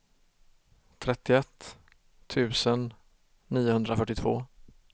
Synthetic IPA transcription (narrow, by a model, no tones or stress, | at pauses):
t̪ʰɾɛt̪ːɪɛt̪ʰː | ʉ̟ːsənː | iːʊhɵnd̪ɾafœʈːɪt̪ʰvo̰ː